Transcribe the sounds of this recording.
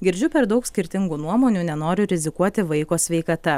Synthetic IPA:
ɡʲɪɾʲd͡ʒʲʊpʲɛɾd̪ɒʊksʲkʲɪɾʲt̪ʲɪŋɡuːnuɔmoːnʲuːnʲɛnoːɾʲʊɾʲɪzʲɪkuɔt̪ʲɪʋɐɪkoːsʲʋʲɛɪkɐt̪ɐ

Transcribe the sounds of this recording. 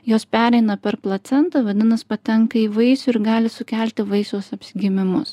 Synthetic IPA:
joːspʲæːɾʲɛɪnɐpʲɛɾplˠɐt̪sʲɛnt̪ɐːʋɐd̪ʲɪnɐspɐt̪ʲɛŋkɐiːʋɐɪsʊɪɾɡɑːlʲɪsʊkʲæˑlʲt̪ʲɪʋɐɪsoːsɐpʲsʲɪɡʲɪmʲɪmʊs

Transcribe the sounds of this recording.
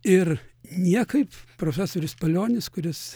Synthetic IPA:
ɪrnʲiɛkɐɪppɾoːfʲæːsoːɾʲɪspɐlʲoːnʲɪskʊɾʲɪs

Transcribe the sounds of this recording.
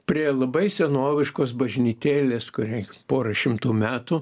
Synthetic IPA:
pʲɾʲiɛlˠɐbɐɪsʲɛnoːʋʲɪʃkoːsbɐʒʲnʲiːt̪ʲeːlʲeːskʊɾʲɛpoːɾɐʃʲɪmt̪uːmʲæːt̪u

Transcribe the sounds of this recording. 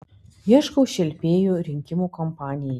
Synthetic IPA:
jiɛʃkɐʊʃʲɛlʲpʲeːjuɾʲɪŋʲkʲɪmukɔmpɑːnʲɪjɛ

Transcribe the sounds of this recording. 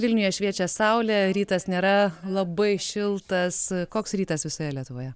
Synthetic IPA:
ʋʲɪlʲnʲʊjɛʃʲʋʲiɛt͡ʃʲɛsɐʊlʲɛɾʲiːt̪ɐsnʲeːɾɐlˠɐbɐɪʃʲɪlˠt̪ɐskoːksɾʲiːt̪ɐsʋʲɪsʊjɛlʲiɛt̪ʊʋoːjɛ

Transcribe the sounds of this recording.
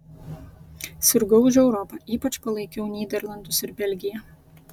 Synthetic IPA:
sʲɪɾɡɔʊʒʲɛʊɾɔpɑːˑʔiːpɐt͡ʃpɐlˠɐɪkʲɛʊnʲiːd̪ʲɛɾlˠɐnd̪ʊsɪɾbʲɛlʲɡʲɪjɛ

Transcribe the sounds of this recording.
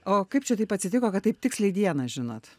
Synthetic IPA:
oːkɐɪp̚t͡ʃʲɛt̪ɐɪpɐtʲsʲɪt̪ʲɪkoːkɐt̪t̪ːɐɪp̚t̪ʲɪksʲlʲɛɪd̪ʲiɛnɐʒʲɪnoːt̪

